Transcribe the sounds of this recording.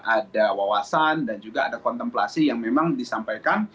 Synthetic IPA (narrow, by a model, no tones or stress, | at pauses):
ʔadawawasandand͡ʒuɡaːdakɔnt̪ɛmpla̰sijaŋmemaŋdisampajkan